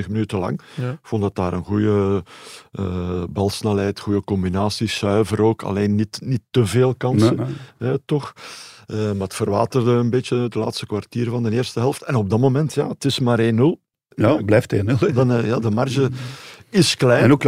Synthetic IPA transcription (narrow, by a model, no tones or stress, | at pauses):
əxmənytəlɑ̰ŋɪkfɔnˠdɑtaːɾənɣujə | əbɑlˠsnɛlɛjtxujəkɔmbinaːsisœɥvəɾoːkʰɑ̰leːnːitnitːəveːlˠkɑnsəɛtɔxəmaːətfərʋaːtərdəənbeːtjədəla̰ːtstə̥kwartiːrvɑndənɪːrstəɦɛlˠəftɛnɔb̚dɑmomɛntja̰ːətɪsmaːɾeːno | jblɛːfteːndnjaːdəmarʒə | ɪsklɛnok